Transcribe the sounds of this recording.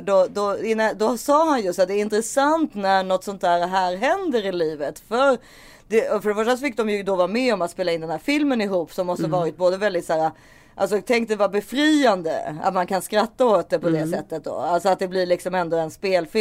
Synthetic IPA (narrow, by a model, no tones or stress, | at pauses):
d̪ɔd̪ɔɪnːad̪ɔsɑːɦanjɵst̪at̪̚d̪ɛːɾɪnt̪ɾəsant̪næɾɳɔt̪sɔnt̪ʰæːɾɦæːɾɦɛnd̪əɾɪliːvət̪fœɾ | d̪̥ɛɔfœɾɖɛfœʂ̬ʈasɔfɪk̚ːd̪ɔmjɵd̪ɔvɑːɾamɛɔmat̪speːlaɪnd̪ɛnɦæːɾfɪlmənɪɦuːpːsɔmːɔst̪əvɑːɾɪt̪̚boːd̪əvɛld̪ɪt̪sæːɾa | ʔa̰ls̬ɔt̪ʰɛŋkt̪d̪ɛvɑbɛfɾiːand̪ə̰a̰t̪mankʰanskɾat̪ːaoːt̪̚d̪ɛpʰɔd̪ɛsɛt̪ːət̪̚d̪ɔ̰alsɔat̪̚d̪ɛblɪɾɭɪksɔmɛnd̪ɔɛnspeːlfɪ